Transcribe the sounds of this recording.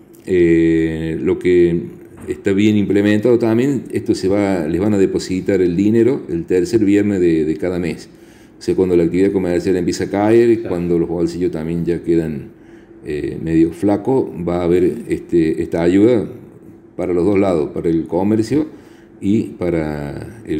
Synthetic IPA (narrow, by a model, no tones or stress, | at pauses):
e | lo̞ke | eht̪aβje̞nimplemẽnt̪aðo̞t̪ambjeneht̪oseβaleɦβanaðepo̞sit̪aɾeld̪ineɾoelt̪eɾseɾβjeɾnezðeðekaðames | oseakwand̪olakt̪iβiðako̞meɾsjalempje̞sakaeɾkwand̪o̞loɦβo̞lsiʒot̪ambje̞nʒakeðan | ḛmeðjoflakoβaːβeɾeht̪eeht̪aːʒuða | paɾaloðo̞ɦlaðospaɾaelkomeɾsjo | ipaɾae